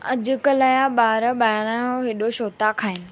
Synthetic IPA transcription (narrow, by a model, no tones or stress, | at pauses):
ɐd͡ʑʊkəlaːjaɓaːɾəɓaːɽ̃aoɦɪɗoʃoːt̪akʰaːɪnɪ̆